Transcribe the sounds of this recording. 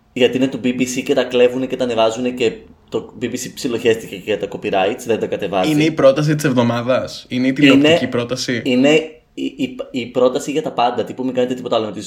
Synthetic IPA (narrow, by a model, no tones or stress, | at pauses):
ʝɐt̪inet̪ubibisice̞t̪ɐkle̞vunece̞t̪ɐnevɐzunece̞t̪obibisipsilo̞çe̞st̪iceceʝɐt̪ɐko̞piɾɐit̪sðend̪ɐkɐt̪e̞vɐzineipɾo̞t̪ɐs̬it̪ise̞vðo̞mɐðɐsineit̪iinnecipɾo̞t̪ɐsiine̞ | iipipɾo̞t̪ɐsiʝɐt̪ɐpɐnd̪ɐt̪ipumiŋɡɐnet̪et̪ipo̞t̪ɐlomet̪iz